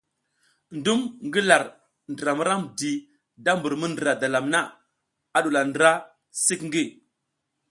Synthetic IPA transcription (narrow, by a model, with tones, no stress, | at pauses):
ndu˦mŋɡi˦la˨ɾ | ndə˨ɾa˨mə˦ɾa˦mdi˨ | da˦mbu˨ɾmu˦ndɾa˨da˨la˨mna˦ | a˨ɗu˨la˨ndɾa˦ | si˦kŋɡi˦˨